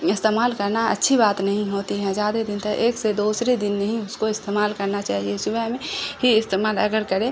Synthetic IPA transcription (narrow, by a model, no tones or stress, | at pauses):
ɪst̪eːmaːlkɐɾnaɐ̰tːʃʰibaːt̪nɐɦĩɦoːt̪iɦɛ̃zjaːd̪ed̪ɪnt̪ɐʔeːksed̪uːsɾed̪ɪnːɐɦĩʊskoɪst̪eːmaːlkɐɾnat͡ʃaːɦiesʊbɛɦmẽɦiɪst̪eːmaːlɐɡəɾkəɾẽ